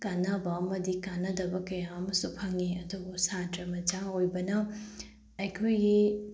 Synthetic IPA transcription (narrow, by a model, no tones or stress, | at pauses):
kanabamɐd̪ikanɐd̪ɐbɐkɐjaɐmɐsupʰɐŋeɐd̪ɐbusatɾɐmɐd͡ʒaojbɐnɐ | ɐjkʰojɡi